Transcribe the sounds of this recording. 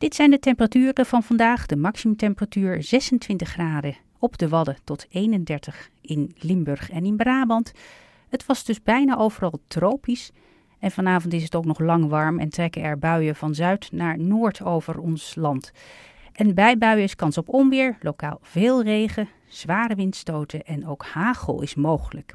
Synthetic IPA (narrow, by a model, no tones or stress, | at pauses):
d̥ɪtsɛjndətɛmpəratyːrəv̥ɑnvɑndaːχdəmɑksiməmtɛmpəratyːɹzɛsəntʋɪntəχːraːdə | ɔbdəʋɑdətɔtʰejnəndɛɹtəχɪnlɪmbɵɹχɛnɪnbraːbɑnt | ətʋɑzdɵzbɛjnaːʔowvərɑlˠtrowpis | ɛnvɑnaːvɔntɪsətowknɔχlɑŋʋɑɹmɛ̰ntrɛkəɛɹbœɥəvɑnzœɥtnaːɹnoːɹtʰowvəɹɔnslɑnt | ʔɛnbɛjbœɥəɪskɑnsɔpɔmʋɪːɹlowka̰ːlˠveːlˠrejχə | z̥ʋaːrəʋɪntstowtəʔɛnowkhaːχə̰lˠɪ̰smowχələk